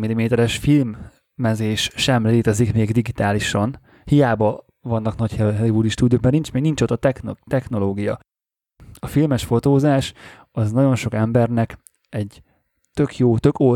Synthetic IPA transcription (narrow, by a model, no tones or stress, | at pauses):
milimeːt̪ɛɾɛʃfilmː | ɛzeːʃʃɛmleːt̪ɛzikmeːɡd̪iɡit̪aːliʃɒn | hijaːbɒ | vɒnːɒknɒchɛɦɛlivud̪iʃt̪ud̪jokmaːrnint͡ʃmeːɡnint͡ʃot̪ɒt̪ɛxnt̪ɛxno̞loːɡijɒ | ɒfilmɛʃfo̞t̪oːzaːʃ | ɒznɒɟo̞nʃo̞kɛmbɛrnɛk | ɛɟ | t̪ø̞kjoːt̪ø̞ko